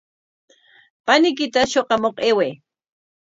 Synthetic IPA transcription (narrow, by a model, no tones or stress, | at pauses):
panɪk̬ɪt̪aʃoqɑmoqeweː